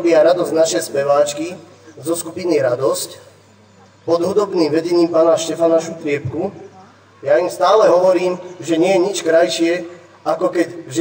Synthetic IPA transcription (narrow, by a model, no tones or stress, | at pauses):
bɪaɾad̪ɔzɟnaʃɛjspɛʋaːt͡ʃki | zɔskupiniɾad̪ɔsc | pɔd̪ɦud̪ɔbniːmʋɛɟɛɲiːmpaːnaʃcɛfanaʃut̪ɾɪɛpku | jaimst̪aːlɛɦɔʋɔɾiːmʒɛɲɪɛjɛɲit͡ʃkɾajʃɪɛ | akɔkɛɟʒ